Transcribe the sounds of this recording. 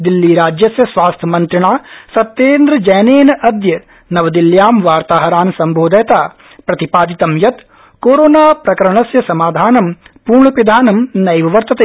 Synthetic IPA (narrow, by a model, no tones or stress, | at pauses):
d̪ilːiːɾaːd͡ʒjɐsjɐsʋaːst̪ʰɐmɐnt̪ɾiɳaːsɐt̪ːeːnd̪ɾɐd͡ʒɐjneːnɐɐd̪jɐ | nɐʋɐd̪iljaːmʋaːɾt̪aːɦɐɾaːnsɐmbʱoːd̪ʱɐjɐt̪aː | pɾɐt̪ipaːd̪it̪ɐmjɐt̪ | koːɾoːnaːpɾɐkɐɾɐɳɐsjɐsɐmaːd̪ʱaːnɐmpuːɾɳɐpid̪ʱaːnɐmnɐjʋɐʋɐɾt̪ɐt̪eː